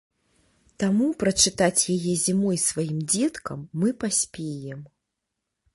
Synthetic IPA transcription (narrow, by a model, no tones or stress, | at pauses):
t̪amupɾɐt͡ʂɨt̪at͡sʲjajɛzʲimɔjsvajimd͡zʲɛt̪kɐ̰mːɨpasʲpʲejɛm